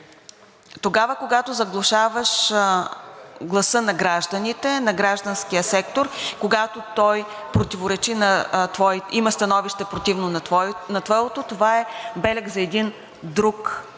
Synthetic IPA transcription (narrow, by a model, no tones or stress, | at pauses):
t̪oɡavəkoɡat̪ozɐɡlˠoʃavɐʃ | ɡlˠɐsɤnɐɡɾaʒd̪ɐnit̪ɛnɐɡɾaʒd̪ənskiəsɛkt̪oɾkoɡat̪ot̪ɔj | pɾot̪ivoɾɛt͡ʃinɐt̪vɔiiməst̪ɐnɔviʃt̪ɛpɾot̪ivnonnɐt̪vɔɛot̪ot̪ovaɛbɛlʲɛɡzɐɛd̪in | d̪ɾuk